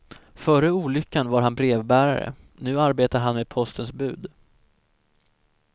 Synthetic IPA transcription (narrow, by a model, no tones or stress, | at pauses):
fœːɾəuːlʏkːanvaɾɦanbɾeːvbæːɾa̰ɾə̰ | nʉ̟ːaɾbeːt̪aɾɦanmeːd̪pʰɔst̪ənsbʉ̟ːd̪